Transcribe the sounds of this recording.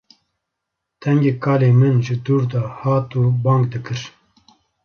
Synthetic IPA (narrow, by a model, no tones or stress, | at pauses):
t̪ʰɛŋɡeːkʰɑːleːmɨnʒɨd̪uːɾd̪ɑːhɑːt̪uːbɑːŋɡd̪ɨkɨɾ